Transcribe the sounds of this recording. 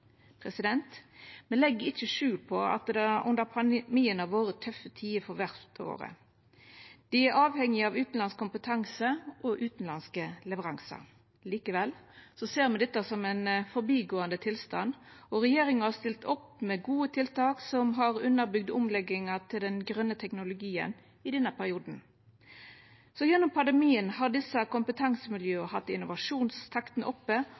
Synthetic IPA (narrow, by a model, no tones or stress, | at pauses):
pʰʁɛsɪd̪ɛnt̪mɛlɛɡːəɾɪt͡ʃːəʂʉːlpʰɔɑ̰t̪d̪ɛæʔʉ̰nd̪əʁpʰɑmiːənɑʋoːɾət̪ʰːœfət̪ʰiːəfɔʋæʁt̪o̰ːɾə̰ | d̪̥ɪæɾʔɑːʋhɛŋɪɑʋʉːt̪n̩lɑnskʊmpət̪ʰɑŋsəʔɔʔʉːt̪n̩lɑnskəlɛʋəʁɑŋsɑ̰ | liːkəʋɛlsɔseːʁmɛnd̪ɛt̪ːəsɔmɛnfɔɾbiːɡoːənd̪ət̪ʰɪlst̪ɑ̰nɔɾɛjeːɾɪŋəɑst̪ɪlt̪ɔpmɛɡuːət̪ʰɪlt̪ɑːksɔmɦɑʁʉnːəɾbʏɡ̚d̪ʊmlɛɡɪŋɑt̪ʰɪld̪ɛnɡɾœnːət̪ʰɛknʊlʊɡiːə̰n | ɪd̪ɛnːəpʰæɾɪuːd̪n̩ | sɔjɛnːʊmpʰɑnd̪ɛmiːənhɑʁd̪ɪsəkʊmpət̪ʰɑŋsəmɪljøːəhɑt̪ːɪnʊʋɑʂuːnst̪ʰɑkt̪nʔɔpːə